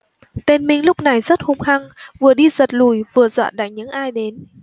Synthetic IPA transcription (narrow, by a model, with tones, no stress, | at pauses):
t̪e˧nmï˧ŋ̟lʊ˦˥k͡p̚na˨˩jzə˦˥t̚hʊ˧˩ŋ͡mxa˧ŋvɨ˨˩əɗi˧zə˨˩t̚lu˧˩jvɨ˨˩əzwa̰ː˧˨nɗaː˧˩jɲɨ̰˧˥ŋʔaː˧jɗe˨˦n